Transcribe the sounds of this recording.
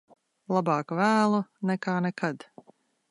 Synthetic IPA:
lˠabɑːkvæːlˠunɛkaːnɛkʰad̪

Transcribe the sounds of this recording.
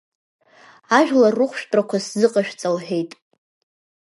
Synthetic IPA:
aʒᶣlarːɨχʷʃᶣtʼrakʷʰaszɨqʼaʃᶣt͡sʼalħᶣejtʼ

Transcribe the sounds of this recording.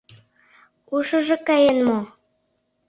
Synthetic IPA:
uʃə̆ʒɤ̆kɑjenmo

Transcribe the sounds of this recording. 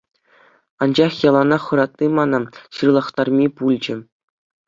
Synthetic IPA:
ɑnd͡ʑɑχjɑlˠɑnɑχɤ̆ɾɑt̪̚nʲimɑnɑɕɯrlˠɑχt̪ɑrmʲipulʲd͡ʑɘ̆

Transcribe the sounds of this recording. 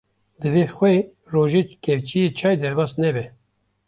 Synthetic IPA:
d̪ɨveːxwʷeː | roːʒeːkɛvt͡ʃijet͡ʃʰɑːjd̪ɛɾbɑːsnɛbɛ

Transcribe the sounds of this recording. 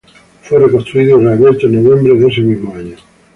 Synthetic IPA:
fwerekost̪ɾuiðoɾaβeɾt̪anoβjẽmbɾeðesemizmoaɲo

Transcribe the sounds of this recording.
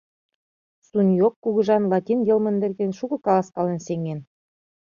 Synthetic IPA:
sunjokːuɣɤ̆ʒɑnlˠɑt̪ʲinjelmə̆nd̪ɘ̆rɣenʃuɣɤ̆kɑlˠɑskɑlenseŋen

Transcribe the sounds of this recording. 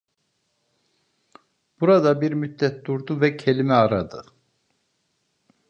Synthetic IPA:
b̥uɾad̪abiɾmyt̪̚ːɛt̪̚d̪uɾd̪uvɛcʰe̞limɛaɾad̪ɯ

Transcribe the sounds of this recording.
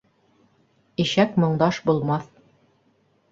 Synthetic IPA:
iʃækmɤ̆ɴd̪ɑʃbulˠmɑθ

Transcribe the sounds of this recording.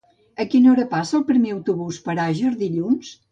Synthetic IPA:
əkinɔɾəpasəːlˠpɾimeəwt̪uβuspəɾaʒəɾðiʎuns

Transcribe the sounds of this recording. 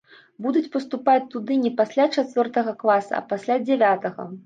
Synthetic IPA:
bud̪ut͡sʲpɐst̪upat͡sʲt̪ud̪ɨnʲɛpasʲlʲat͡ʂat̪ʲvʲɔrt̪ɐɣɐklˠasɐ̰ɐ̰pasʲlʲad͡zʲɛvʲat̪ɐɣɐ̰

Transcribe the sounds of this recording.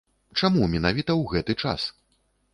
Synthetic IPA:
t͡ʂamumʲɛnavʲit̪ɐwɣɛt̪ɨt͡ʂa̰s

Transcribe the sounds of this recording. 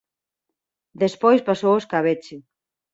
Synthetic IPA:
d̪espojspasowoskaβ̞et͡ʃe

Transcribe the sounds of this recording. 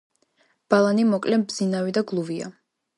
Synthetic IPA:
b̥alˠanimɔkʼlɛbd̪zinavid̪aɡlˠuvia̰

